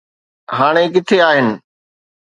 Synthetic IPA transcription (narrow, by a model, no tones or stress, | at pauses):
ɦaːɽ̃ekɪt̪ʰeaːɦɪnɪ̆